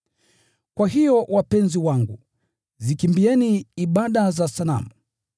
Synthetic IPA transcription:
kwaɦijɔwapɛnziwaŋɡṵ | zikimbiɛniːɓaɗazasala̰mu

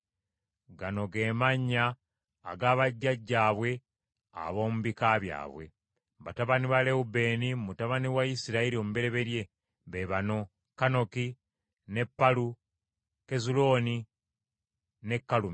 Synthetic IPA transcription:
ɡano̞ɡe̞ːmaɲːa̰ː | ɡaːβaɟːaɟːaːβwe̞ | a̰βo̞ːmuβikaβja̰ːβwe̞̰ | βataβaniβale̞ube̞ːnimutaβaniwaisiɾaiɾio̞mube̞ɾe̞βe̞ɾje̞ | βeβano̞ | kano̞ki | ne̞pːalu | ke̞zulo̞ːni | ne̞kːalumi

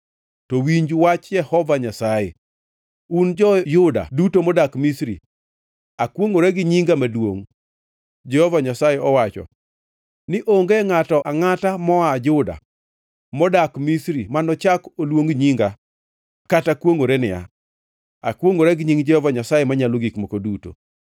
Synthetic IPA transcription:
tɔwiɲd͡ʒwat͡ʃjɛhɔvaɲasaje | und͡ʒɔjʊda̰dutomɔdakmisɾḭ | akwoŋoɾeɡɪɲiŋɡamadwo̰ŋ | d͡ʒɛhɔvaɲasajeɔwat͡ʃɔ̰ | nɪʔoŋɡeŋatɔʔaŋatamɔad͡ʒʊda̰ | mɔdakmisɾimanɔt͡ʃakolwoŋɲiŋɡa | katakwoŋoɾenɪa̰ | akwoŋoɾɛɡɪɲiŋd͡ʒɛhɔvaɲasajemaɲaloɡikmokoduto̰

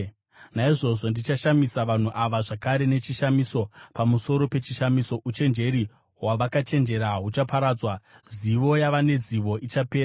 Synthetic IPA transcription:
naiʐo̞ʐo̞ndit͡ʃaʃamisaʋan̤uʔaʋaʐakaɾe̞ne̞t͡ʃiʃamiso̞pamuso̞ɾo̞pe̞t͡ʃiʃamiso̞ʔut͡ʃe̞nd͡ʒe̞ɾi | ɦwaʋakat͡ʃe̞nd͡ʒe̞ɾaɦut͡ʃapaɾaːd͡zwa | ziʋo̞jaʋane̞ziʋo̞ʔit͡ʃape̞ːra

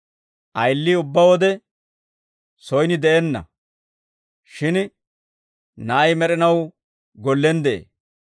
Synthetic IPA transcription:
ʔɐjlːiːʊbːɐwɔd̪ɛ | sɔjnɪd̪ɛʔɛnːɐ̰ | ʃɪn | nɐʔɐjmɛɾɪnɐw | ɡɔlːɛnd̪ɛḛː

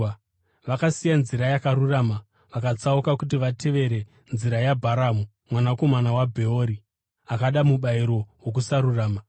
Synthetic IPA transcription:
ʋakasijanziɾajakaɾuraːma | ʋakat͡saukakut̬iʋatʰe̞ʋe̞ɾe̞ | nziɾajabʱaɾamu | mwanako̞manawabʱe̞oːɾi | akaɗamuɓaiɾo̞wok̬usaɾuraːma

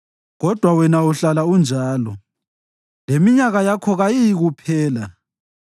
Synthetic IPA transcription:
ɣɔd̥ʱwawɛnauɬalaund͡ʒʱaːlɔ | lemiɲaɣajakʰɔɣajijiɣupʰɛːla

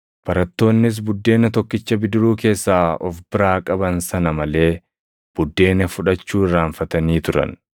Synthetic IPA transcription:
b̥ɐɾɐt̪ːo̞ːnːɪs̬bʊd̪ːe̞ːnɐt̪ɔkːɪt͡ʃːɐbɪd̪ɪɾuːke̞ːsːaːɔfbɪɾaːkʼɐbɐnsɐnɐmɐle̞ː | b̥ʊd̪ːe̞ːnɐfʊᶑɐt͡ʃːuːɪrːaːɱfɐt̪ɐniːt̪ʊɾɐ̰n

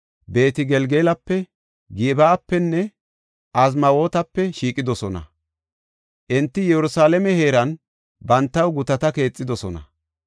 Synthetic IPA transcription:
be̞ːt̪ɪɡɛlɡeːlɐpːɛ | ɡɪbaːpːɛnːɛ | ʔɐz̬mɐwo̞ːt̪ɐpːɛʃiːkʼɪd̪ɔsɔnɐ̰ | ʔɪnt̪ːɪjɛɾʊsaːlɐmɛhe̞ːɾɐn | bɐnt̪ːɐwɡʊt̪ɐt̪ɐke̞ːt͡sʼːɪd̪ɔsɔnɐ̰

